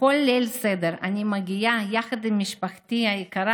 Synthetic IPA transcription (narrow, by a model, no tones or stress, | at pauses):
kolːelsed̪eɾanʲimaɡʲijajaxɐd̪imːiʃpaχt̪iajikaɾa